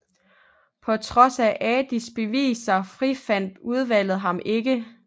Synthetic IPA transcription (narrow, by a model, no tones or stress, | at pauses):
pʰɒ̽t͡sʰʁɒ̽sæʔɛːd̥isb̥e̝ʋḭːsɐfʁifæn̰d̥uð̞ˠʋæl̰ð̩ˠɦɑ̈mʔe̝ɡ̥ə